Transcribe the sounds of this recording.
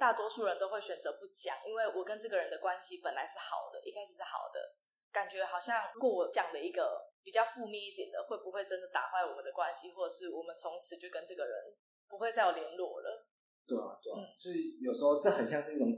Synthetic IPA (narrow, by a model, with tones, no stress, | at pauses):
t̪a˥˩t̪wɔ˥ʂu˥˩ɻə˧˦nt̪o˥ʊxe˥˩ɪɕɥɛ˨˩nt͡sɤ˧˥pu˥˩t͡ɕjɑ̰˨˩ŋʔi˦nwe˥˩ɪwɔ˨˩kə˦nʈ͡ʂɤ˥˩ɡə˩ɻə˧˦nd̪ə˨kwa˦˥nɕi˧˦pə˨˩nla˧˦ɪʂɻ̩˥˩xɑ̰˨˩ʊd̪ə̰˦ʔi˥kʰa˥ɪʂɻ̩˨˩ʂɻ̩˥˩xɑ̰˨˩ʊd̪ə̰˦ | ka˨˩nt͡ɕɥɛ˧˦xɑ˨˩ʊɕjɑ˥˩ŋɻu˧˥kwɔ˧˥wɔ˨˩t͡ɕjɑ˨˩ŋd̪ə˦i˧˥ɡə˧pi˨˩t͡ɕjɑ˥˧ʊfu˥˧mjɛ˥˧i˥˩t̪jɛ˨˩nd̪ə̰˩xwe˥˩ɪpu˧˦xwe˥˩ɪʈ͡ʂə˦nd̪ə˨t̪a̰˨˩xwa˥ɪwɔ˨˩mə˨˦nd̪ə˩kwa˦nɕi˦xwɔ˥˩ʈ͡ʂə˨˩ʂɻ̩˥˩wɔ˨˩mə˨nt͡sʰo˧˦ŋt͡sʰɹ̩˨˧˥t͡ɕjo˥˩ʊkə˦nʈ͡ʂɤ˥˩ɡə˩ɻə̰˧˦n | pu˧˦xwe˥˧t͡sa˥˩ɪwɔ˨˩lji˧˦ŋlwɔ˥˨˩lə̰˨˦ | t̪we˥˩ɪa̰˨˩t̪we˥˩n̩˥˩˨so˥i˨˩jo˨˩ʊʂɻ̩˧˥xo˥˧ʊʈ͡ʂɤ˥˩xə˨˩nɕ̬jɑ˥˧ŋʂɻ̩˥˧i˥˩ʊ˨˩ŋ